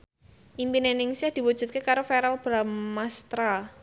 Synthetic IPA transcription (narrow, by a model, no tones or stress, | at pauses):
ʔimpinenɪŋsɪhd̪̥i̤wud̥ʒ̥ṳt̪̚kekaɾofɛɾalb̥ɾamast̪ɾa